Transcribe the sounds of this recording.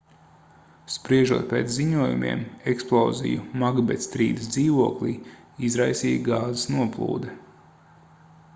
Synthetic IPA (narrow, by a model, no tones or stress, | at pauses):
spɾiɛʒṵɔt̪̚peːt̪zziɲuɔjṵmḭɛmɛksplˠɔ̰ːzḭjumaɡbɛt̪st̪ɾḭːd̪əsd̪ziːʋuɔklʲˠiː | izɾajsiːjɡaːzesnuɔplˠṵːd̪ɛ